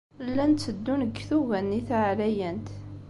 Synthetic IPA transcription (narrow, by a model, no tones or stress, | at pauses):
lːænt͡sːəd̪ːunəɡθuɣænːiθʕlæjænt̪